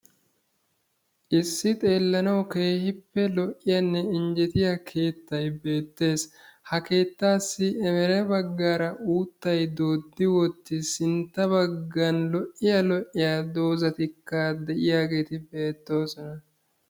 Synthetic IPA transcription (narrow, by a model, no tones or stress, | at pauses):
ʔɪsːɪt̪ʼe̞ːlːɐnɐwke̞ːhɪpːɛlɔʔːɪjɐnːɛɪnd͡ʒɛt̪ɪjɐkʰe̞ːt̪ːɐjbe̞ːt̪ːe̞ːshɐke̞ːt̪ːaːsːɪɛmɛɾɛbɐɡːaːɾɐʔuːt̪ːɐjd̪o̞ːd̪ːɪwɔt̪ːɪsɪnt̪ːɐbɐɡːɐnlɔʔɪjɐlɔʔɪjad̪o̞ːzɐt̪ɪkːɐd̪ɛʔɪjaːɡe̞ːt̪ɪbe̞ːt̪ːo̞ːsɔnɐ